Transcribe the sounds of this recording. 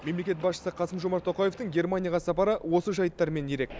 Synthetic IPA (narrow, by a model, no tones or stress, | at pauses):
me̞mle̞kʲe̞t̪bɑsʃə̥səqʰɑsəmʒomɑɾt̪ʰːo̞qɑje̞ft̪əɴɡʲe̞ɾmanʲijɑʁɑsɑpɑɾəwo̞səʒɑjət̪ːɑɾme̞nje̞ɾe̞k̚ʲ